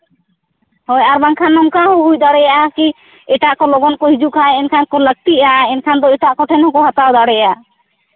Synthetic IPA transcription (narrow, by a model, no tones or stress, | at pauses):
hɔjaɾbaŋkʰanːɔmkaɦɔɦujd̪aɽɛjaʔaki | ɛʈaʔkɔlɔɡɔnkɔɦid͡ʒuʔkʰajɛnkʰankɔlək̚t̪iʔaɛnkʰand̪ɔɛʈaʔkɔʈʰɛnhɔkɔɦat̪awd̪aɽɛjaa